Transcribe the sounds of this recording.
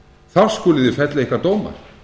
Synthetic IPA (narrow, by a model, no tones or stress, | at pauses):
θawr̥skʊːlɪðɪfɛt̪laihkvaɾt̪oːwma̰ɾ̥